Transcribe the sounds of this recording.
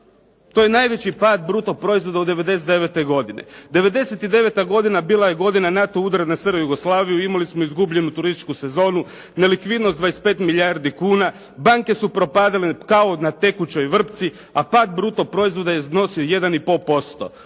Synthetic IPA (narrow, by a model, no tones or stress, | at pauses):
t̪oje̞naːjʋe̞t͡ɕipaːd̪̚bɾuːt̪opɾo̞izʋo̞d̪aud̪e̞ʋe̞d̪e̞set̪eʋet̪eɡo̞d̪inḛd̪e̞ʋe̞d̪e̞set̪id̪e̞ʋe̞t̪aɡo̞d̪inabiːlˠajeɡo̞d̪inanat̪o̞ud̪aɾenasərɾojuɡoslˠaːʋijuimalismoizɡubʎe̞nut̪uɾist̪i̥t͡ʃkuse̞zo̞ːnu | ne̞likʋid̪nostd̪ʋaːjespe̞ːt̪milʎjaɾd̪ikuːna | baŋke̞supɾo̞paːd̪alekao̞nat̪e̞kut͡ɕo̞jʋr̩pt̪si | apaːd̪bɾuːt̪opɾo̞izʋo̞d̪ajeno̞sioje̞d̪anipopo̞st̪o̰